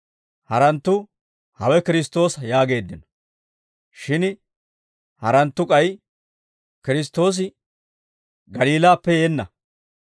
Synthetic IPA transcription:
hɐɾɐnt̪ːʊ | hɐwɛkɪɾɪst̪o̞ːsɐjaːɡe̞ːd̪ːɪnɔ̥ | ʃɪn | hɐɾɐnt̪ːʊkʼɐj | kɪɾɪs̬t̪ːo̞ːs̬ɪ | ɡɐliːlaːpːɛjeːnːɐ̰

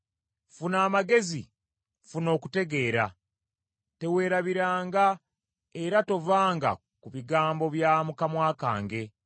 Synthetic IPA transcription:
funaːmaɡe̞zḭ | funo̞ːkute̞ɡe̞ːɾa | te̞we̞ːɾaβiɾaːŋɡa | e̞ɾato̞vaːŋɡa̰ | kuβiɡaːmbo̞βjamukamwaːka̰ːŋɡe̞

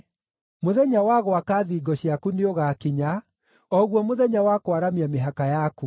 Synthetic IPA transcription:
moðɛɲawaɣoakaːðiːɡɔɕiakuneoɣakiɲa | ɔɣwɔmoðɛɲawakoaɾamiameɦakajaku

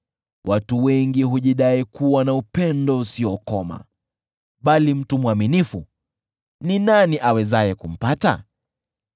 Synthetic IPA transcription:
wʔatuwɛŋɡiɦuʄiɗaikuwanaupɛndɔusiɔkɔma̰ | ɓalim̩tumwaminifu | ninaniʔawɛzajɛkum̩pata̰

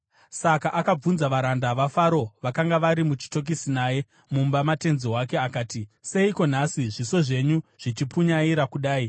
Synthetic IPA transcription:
sakaʔakab͡vunzaʋaɾandaʋafaɾo̞ʋakaŋɡaʋaɾimut͡ʃi̥to̞k̬isinaje̞ | mumbamate̞nzewake̞akaːtise̞iko̞nasiʐiso̞ʐe̞ɲuʐ̥it͡ʃipuɲaiɾakuɗaːi

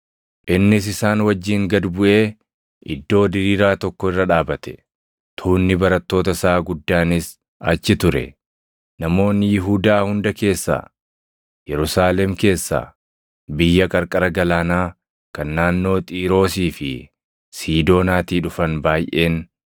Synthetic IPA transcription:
ʔɪnːɪs̬ɪsaːnwɐd͡ʒːiːŋɡɐd̪bʊʔe̞ː | ɪd̪ːo̞ːd̪ɪɾiːɾaːt̪ɔkːɔɪrːɐᶑaːbɐt̪ɛ̥ | t̪ʰuːnːɪbɐɾɐt̪ːo̞ːt̪ɐsaːɡʊd̪ːaːnɪs | ɐt͡ʃːɪt̪ʊɾɛ̰ | nɐmo̞ːnːɪjɪɦuːd̪aːhʊnd̪ɐke̞ːsːa̰ː | jɛɾʊsaːlɛmke̞ːsːa̰ː | bɪjːɐkʼɐɾkʼɐɾɐɡɐlaːnaː | kɐnːaːnːo̞ːt̪ʼiːɾo̞ːsiːfɪ̰ | siːd̪o̞ːnaːt̪iːᶑʊfɐnbaːjʔe̞ːn

